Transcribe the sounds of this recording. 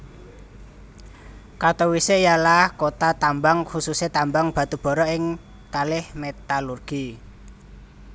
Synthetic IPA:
kat̪owisejalahkot̪at̪ambaŋhususet̪ambaŋb̥a̤t̪ub̥ɔ̤ɾɔɪŋ | kalɪhmet̪alurɡ̥i

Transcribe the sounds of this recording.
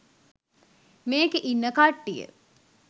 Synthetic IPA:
meːkeʔinːəkaʈːijə̰

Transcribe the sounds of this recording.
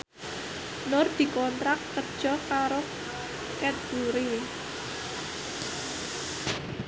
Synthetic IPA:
nʊrd̪̥i̤kɔnt̪ɾakːərd̥ʒ̥ɔ̤kaɾo | kɛt̪̚b̥uɾe

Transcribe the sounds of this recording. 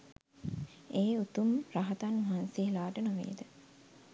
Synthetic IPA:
eːut̪umraɦɐt̪anʋɐɦansielaːʈənoʋḛːd̪ə

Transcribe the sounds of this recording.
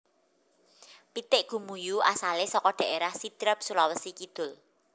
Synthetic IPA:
pit̪ɪʔɡ̥ṳmujuʔasalesɔkɔɖ̥a̤ʔeɾahsid̪̥ɾəp̚sulawəsikid̪̥ʊ̤l

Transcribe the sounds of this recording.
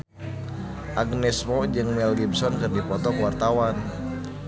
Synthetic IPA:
ʔaɡnɛsmɔd͡ʒɨŋmɛlɡibsɔnkɨrdipɔt̪ɔkəwart̪awan

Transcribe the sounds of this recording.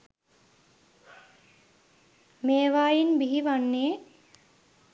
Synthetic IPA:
meːʋaːjinbiɦiʋanːeː

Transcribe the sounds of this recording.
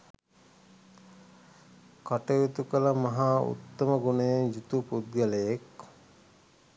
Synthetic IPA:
kaʈəjut̪ukələmɐɦaːṵt̪ːɐməɡunejed͡ʒut̪upud̪̚ɡəlejek

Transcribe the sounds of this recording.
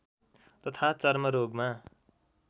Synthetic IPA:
t̪ʌt̪ʰat͡sʌrmʌɾoɡma

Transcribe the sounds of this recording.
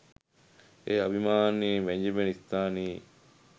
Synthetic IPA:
eːɐbimaːniʋeɲd͡ʒimenist̪aːniː

